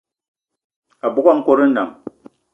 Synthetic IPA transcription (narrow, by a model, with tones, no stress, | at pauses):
a˨bu˦ka˦ŋ̩˦ko˦ɾi˦n̩˦na̰˨m